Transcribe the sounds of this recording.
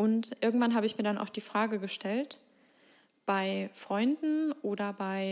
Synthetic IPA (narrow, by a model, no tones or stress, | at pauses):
ʔʊntʔɪɐɡŋ̩tv̥anɦaːbəɪçmiːɐɾana̰ʊxd̥iːfʁ̥aːɡəɡəʃtɛlt | b̥aɪfʁ̥ɔʏndn̩ʔoːdɐbaɪ